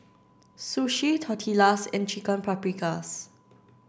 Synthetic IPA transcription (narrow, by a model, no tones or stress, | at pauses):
suʃitʰɔtʰilasɪ̰̃nt͡ʃikə̃npʰɹapɹikas